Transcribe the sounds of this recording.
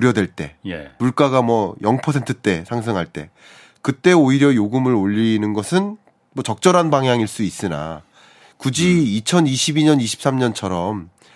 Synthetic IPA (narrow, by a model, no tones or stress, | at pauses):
oɾjʌdwe̞ɭt͈e̞̰jḛmuɭk͈aɡamwʌjʌŋpʰʌsʰe̞ntʰɯt͈e̞sʰaŋs̬ʰɯŋɦaɭt͈e̞̰ | kɯt͈e̞oiɾjʌjoɡɯmɯɾoʎːinɯnɡʌsʰɯn | mʌt͡ɕʌk̚t͡ɕ͈ʌɾɦanbaŋjaŋiɭs͈uis͈ɯna̰ | kud͡ʑiːt͡ɕʰʌniɕʰibiɲʌniɕʰi̥p̚s͈amɲʌnt͡ɕʰʌɾʌm